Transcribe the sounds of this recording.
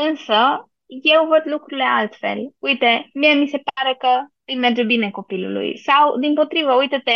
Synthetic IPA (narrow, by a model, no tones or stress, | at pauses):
ɨnsə | jewvət̪lukɾulealt̪fɛ̰lujt̪emiəmisepaɾəkət̪imɛɾd͡ʒəbinekopilṵlṵjsawd̪impot̪ɾivəujt̪et̪e